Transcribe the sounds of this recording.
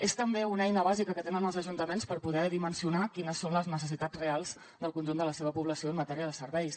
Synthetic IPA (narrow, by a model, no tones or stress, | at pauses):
est̪əmbeunɛjnəβazikəkət̪enənəlˠzəʒunt̪əmenspəɾpuðɛðimənsiunakinəsːonləznəs̬əsit̪ad͡zrealˠz | d̪əlˠkunʒund̪ələseβəpuβləsioəmːət̪ɛɾiəðəsəɾβɛjs